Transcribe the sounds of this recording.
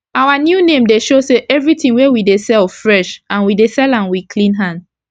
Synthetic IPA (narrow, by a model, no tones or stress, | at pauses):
awanjunẽmdeʃoseʔɛvɹitĩŋwewidesɛlfɹɛʃãnwidesɛlãnwikʰlĩnɦãnd